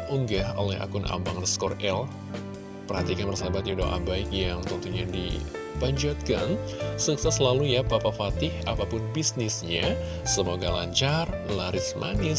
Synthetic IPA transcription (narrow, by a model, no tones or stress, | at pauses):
uŋɡaho̰lɛɦa̰kʊnʔa̰mbaŋnskɔrɛl | pərhat̪ikanpərsabat̪̚audo̰a̰baɪkjaŋt̪ənt̪uɲadḭ | paɲd͡ʒat̪̚ka̰nsuksɛslalujapapafat̪ɪhapapʊnbisnɪsɲa | səmoɡala̰ɲt͡ʃarlaɾɪsmʔa̰nɪ